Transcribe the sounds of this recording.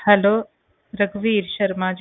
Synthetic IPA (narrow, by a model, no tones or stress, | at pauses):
hɐloː | ɾɐɡʋiɾʃɐɾmaːd͡ʒ